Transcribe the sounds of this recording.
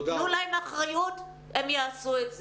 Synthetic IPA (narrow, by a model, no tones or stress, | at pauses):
ulajmaχʁajut | emjaːsuetz